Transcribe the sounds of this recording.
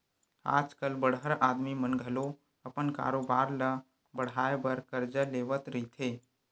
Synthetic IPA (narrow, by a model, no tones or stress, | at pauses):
a̰ːd͡ʒkəlbəɽ̤əɾaːd̪mimənɡʱəlo | əpənka̰ːɾoːbaːɾlə | bəɽ̤aːebəɾkəɾd͡ʒəleːʋət̪ɾəit̪ʰeː